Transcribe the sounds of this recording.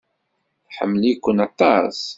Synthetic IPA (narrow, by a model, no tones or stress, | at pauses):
θħə̰mːlikʷːənɑt̪ˤːɑ̰s